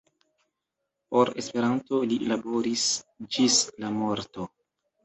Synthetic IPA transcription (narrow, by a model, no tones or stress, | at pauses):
po̞ɾe̞spe̞ɾanto̞lilabo̞ɾisd͡ʒislamo̞ɾto